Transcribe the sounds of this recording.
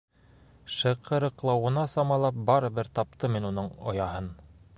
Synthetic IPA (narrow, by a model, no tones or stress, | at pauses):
ʃɤ̆qʰɤ̆ɾɤ̆qlˠɑwɤ̆nɑsɑmɑlˠɑp̚bɑɾɤ̆βɘɾt̪ɑp̚t̪ɤminunɤɴŏ̰jɑɦɤn